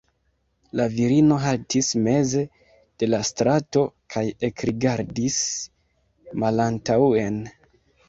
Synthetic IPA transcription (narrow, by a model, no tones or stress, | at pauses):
laviɾino̞ɦaltisme̞ze̞ | d̥e̞lastɾato̞kʰaje̞kɾiɡaɾdis | malantaue̞n